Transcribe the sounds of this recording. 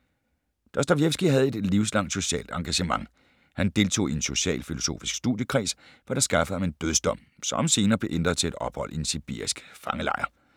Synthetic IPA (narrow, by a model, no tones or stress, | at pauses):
d̥ɒsd̥æʊjefsɡ̥iɦæð̞̩ˠe̝d̥liʊslɑ̈ŋ̰d̥so̝ɕɛ̰ːld̥ɑ̈ŋɡ̥æɕəmɑ̈ŋ | hænd̥e̝lt͡sʰo̝̰ːienso̝ɕɛ̰ːlfilo̝so̝̰ːfisɡ̥stṵðˠjəkʰʁḭːs | ʋɑɾ̥ɑ̈sɡ̥ɑ̈fə̥d̩ˠhɑ̈mend̥øðˠsd̥ɒ̽m̰sɒ̽mse̝ːnɐːb̥le̝ʔend̥ʁɐðˠt͡sʰe̝le̝d̥ɒ̽b̥hɒ̽l̰ʔiensib̥ḭɐ̰isɡ̥fɑ̈ŋəlɑ̈ɪɐ